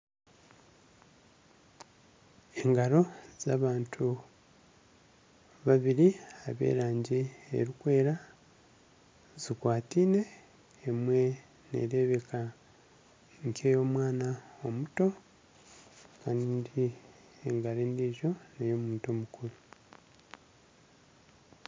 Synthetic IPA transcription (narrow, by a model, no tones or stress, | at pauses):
eŋɡaɾo̞z̥aːβaːntʰu | βaβiɾiaβḛːɾaːɲɟie̞̰ɾikwe̞ːɾa | zikwaːtiːne̞ː | mwe̞ | nḛɾe̞βe̞ka | ɲcʰe̞ːjo̞ːmwaːnao̞muto̞ | kaːnindi | eŋɡaɾeːndiʒo̞nejo̞muːnto̞ːmukuɾu